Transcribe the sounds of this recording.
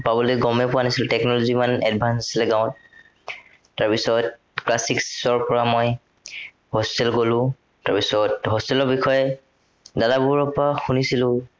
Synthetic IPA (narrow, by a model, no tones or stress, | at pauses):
pabɔloɛɡɔmɛpʊanisiltɛknɔlozimanɛ̰d̚bʱansasilɛɡaʊ̃t̚ | aɹpisɔt | klasikssɔɹpɔɹamoj | hostɛlɡolʊ̃ | taɹpisɔtɦɔstɛlɔɹbixɔjɛ | dadabuɹɔpɔaxunisilʊ̃